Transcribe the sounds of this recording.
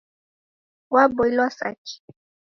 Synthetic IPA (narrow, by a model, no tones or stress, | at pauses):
wabɔilasa̰ki̥